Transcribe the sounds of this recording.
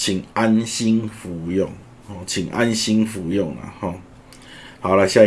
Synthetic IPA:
t͡ɕʰi˨˩ŋa˦nɕi˦ŋfu˨˦jɔ˥˨ŋ | hɔ̃˥˦˨t͡ɕʰi˨˩ŋʔa̰˦nɕi˦ŋfu˨˦jɔ˥˨ŋla̰˨hɔ̃˥˨ | ha˨˩la˧ɕja˥˧

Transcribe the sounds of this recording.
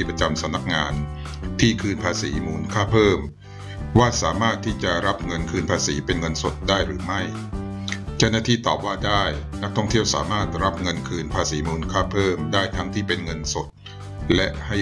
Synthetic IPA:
i˥˩pɾa˧t͡ɕa˧msa˩˦mna˦˥k̚ŋaː˧n | t̪ʰiː˥˩kʰɯː˧npʰaː˧siː˩˦muː˧nkʰaː˥˩pʰɤː˥˩m | waː˥˩saː˩˦maː˥˩t̪ʰːiː˥˩t͡ɕa˨˩ɾa˦˥p̚ŋɤ˧nkʰɯː˧npʰaː˧siː˩˦pe˧nŋɤ˧nso˨˩t̪̚daː˥˩jɾɯː˩˦ma˥˩j | t͡ɕa˥˩wnaː˥˩t̪ʰiː˥˩t̪ɔː˨˩p̚waː˥˩daː˥˩jna˦˥k̚t̪ʰɔ˥˩ŋt̪ʰi˥˩əwsa̰ː˩˦maː˥˩t̪̚ɾa˦˥p̚ŋɤ˧nkʰɯː˧npʰaː˧siː˩˦muː˧nkʰaː˥˩pʰɤː˥˩mdaː˥˩jt̪ʰa˦˥ŋt̪ʰiː˥˩pe˧nŋɤ˧nso˨˩t̪̚ | lɛ˦˥ʔha˥˩j

